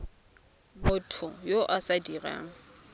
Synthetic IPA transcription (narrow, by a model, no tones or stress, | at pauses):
mʊtʰʊjoʔasadira̰ːŋ̩